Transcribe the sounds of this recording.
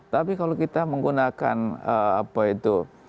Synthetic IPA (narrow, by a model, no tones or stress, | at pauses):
t̪apikalokit̪aməŋɡunaka̰nəapait̪u